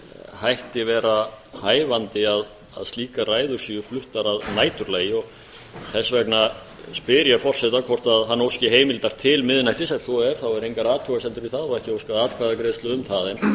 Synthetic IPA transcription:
hajht̪ɪvɛːɾa | haːjvant̪ɪað | a̰ðst̪liːkaraːjðʏ̥siːʏflʏht̪aɾaðnaːjt̪ʏɾleːjɪɔɣ | θɛsːvɛkna | spɪɾjafɔr̥sɛht̪akʰvɔr̥t̪aðɦanːowscɪɦeːjmɪlt̪aɾ̥t̪ʰɪlmɪðɪnajt̪ɪsasɔɛɾ̥θawɛɾhejŋkaɾaːt̪ʰuɣasɛnt̪ʏɾiθaðɔɛhcɪowskaðaːt̪kʰvaːðakɾeːðst̪ʏʏmt̪ʰaːðɪn

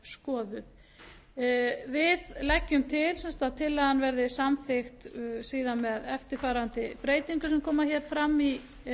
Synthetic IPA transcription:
skɔːðʏθ | vɪðlɛcːʏmt̪ʰɪlsɛnst̪aðt̪ʰɪlaðhanvɛɾðɪsamθɪxt̪siːðanmɛðɛft̪ɪɾfaːɾant̪ɪpɾeːjt̪iŋkʏsɛmkʰɔːmaçɛːɾ̥fɾamːi

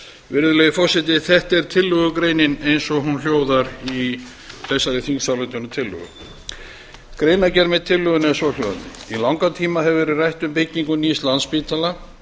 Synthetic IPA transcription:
vɪɾðʏlɛjɪfɔr̥sɪt̪̬ɪθɛht̪ɛɾ̥t̪ʰɪlːʏɣʏkɾeːjnɪnejnsɔɦunl̥joːwðaɾi | l̥ɛsːaɾɪθiŋsawlɛt̪ʏnːʏt̪ʰɪlːʏ̰ɣʏ̰ | kɾejnacɛɾmɛðt̪ʰɪlːʏɣʏnɛnsɔl̥owða̰nɪ̰ilawŋkat̪ʰiːmaɦɛvvɛɾɪrajht̪ʏmpɪcːiŋkʏniːst̪lanspiːt̪ʰala

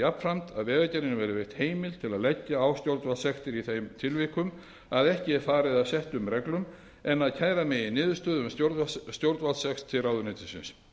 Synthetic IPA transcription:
apn̥fɾam̥t̪a̰ðvɛːɣacɛɾɪnʏmvɛɾɪvejht̪heːjmɪlt̪ʰɪlaðlɛcːaawst̪jowɾt̪valsɛxst̪ɪɾiθejmt̪ʰɪlvihkʏm | aðɛhcɪɛɾfaːɾɪðaðsɛht̪ʏmrɛklʏm | ɛnːaðcʰaːjɾamɪɪnɪːðʏ̥st̪œːðʏmsjoɾst̪jowɾt̪valsɛxst̪ʰːɪraːwðʏnɪːt̪ɪsɪ̰ns

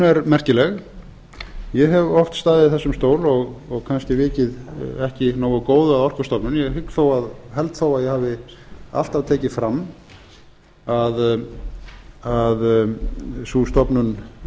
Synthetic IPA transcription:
ɛɾmɛr̥cɪlɛɣ | jɛɦɛvɔft̪st̪aːðɪðɪθɛsːʏmst̪oːwlɔɣɔɣkʰanscɪvɪːcɪðɛhcɪnoːwakoːwðʏaðɔr̥kʏ̥st̪ɔpnʏnjɛhɪkθawaðɦɛlt̪θowaðjɛhaːvɪ | a̰l̥t̪avt̪ʰɛːcɪfɾamː | að | að | suːst̪ɔpnʏn

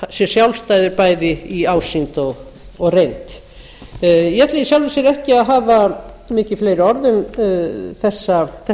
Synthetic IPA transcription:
sjɛsjawlst̪aːjðʏɾpaːjðɪiaːwsint̪ɔɣ | ɔɣrejnt̪ | jɛt̪lɪisjawlvɪsɛɾɛhcɪaðɦaːva | mɪːcɪfleːjɾʏɔɾðʏm | θɛsːaθɛ

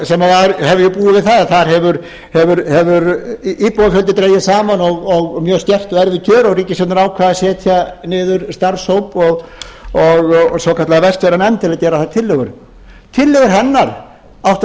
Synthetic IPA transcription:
sɛmavaɾhɛvʏɾjɛpuːɪvɪðθaðaθaɾ̥ɦɛvʏɾ | hɛvʏɾhɛvʏɾipɔwafœlt̪̬ɪt̪ɾeːjɪsaːmanɔɣɔɣmjœːɣst̪jɛr̥t̪ɔɛɾvɪcʰœːɾɔɣriːcɪsɛt̪naɾaːwkʰvaːðasɛːt̪ʰjanɪːðʏɾst̪aɾshowpɔɣɔɣsɔkʰat̪laɣavɛst̪vɛɾanɛnt̪ɪlaðcɛːɾaθat̪ʰɪlːʏɣʏɾ | t̪ʰɪlːœɣʏɾ̥ɦɛnːaɾ̥ | awht̪

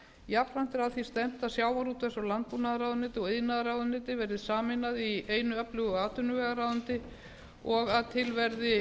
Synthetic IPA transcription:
jap̪ɾan̥t̪ɪɾaðθist̪ɛm̥t̪asjaːwvaɾut̪fɛsawlant̪̚punaðaɾaːwðʏnɪːt̪ɪɔɣeðnaðaɾawðʏnɪːt̪ɪvɛɾðɪðsaːmɪnaðieːjnʏœplʏɣʏaːt̪ʏnʏvɛːɣaɾaːwðʏnt̪ɪ | ɔɣaðt̪ʰɪlvɛɾðɪ

